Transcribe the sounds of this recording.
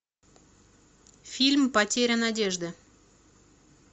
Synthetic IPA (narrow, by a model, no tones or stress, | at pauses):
fʲilʲmpɐtʲeɾʲənadʲeʐd̪ɨ